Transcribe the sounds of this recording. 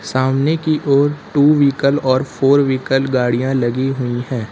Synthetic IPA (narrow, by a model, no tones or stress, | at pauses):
saːmnekiʔoːɾʈuːʋiːkəlɔːɾpʰoːɾʋiːkəlɡaːɽijãlɐɡiɦʊiɦɛ̃ː